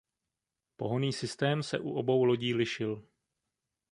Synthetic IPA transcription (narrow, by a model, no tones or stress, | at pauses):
po̞̰ɦo̞niːsɪst̪ɛːmsɛ̰ʔuʔo̞bo̞wlo̞ɟiːlɪʃɪl